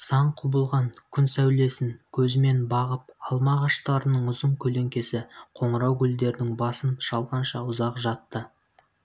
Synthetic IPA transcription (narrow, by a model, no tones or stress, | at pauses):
sɑɴqʰʊbəlˠʁɑŋkʲʰʏnsæwle̞sɪŋkʲʰɵzɪme̞nbɑʁəp̚ɑlˠmɑʁɑʃt̪ɑɾənəɴʊzəɴkʲʰɵle̞ŋkʲe̞sɪqʰo̞ɴəɾɑwɡʲʏld̪e̞ɾɪnɪŋbɑsənʃɑlˠʁɑnʃɑʊzɑqʒɑt̪ːə